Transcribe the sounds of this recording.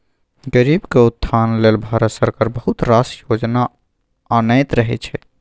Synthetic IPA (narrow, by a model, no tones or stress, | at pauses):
ɡəɾibkeut̪ʰːanlelbʱaɾət̪səɾkaɾbəɦut̪ɾasjod͡ʒnaː | nəjt̪ɾəɦɛ̰t͡ʃʰɛ